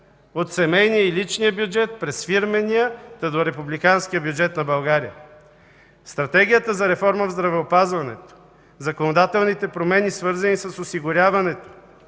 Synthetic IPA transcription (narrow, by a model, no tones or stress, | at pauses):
ot̪sɛmɛjnijəilit͡ʃnijəbjud͡ʒɛt̪̚pɾɛsfiɾmɛnijət̪ɐd̪oɾɛpublikanskijəbʲjud͡ʒɛt̪nɐbɐlˠɡaɾijə | st̪ɾɐt̪ɛɡʲijət̪əzɐɾɛfɔɾməvzd̪ɾɐvɛopazvɐnɛ̰t̪o̥ | zɐkonod̪at̪ɛlˠnit̪ɛpɾomɛnisvɤɾzɐnisɐsosiɡʊɾʲjavɐnɛt̪o̥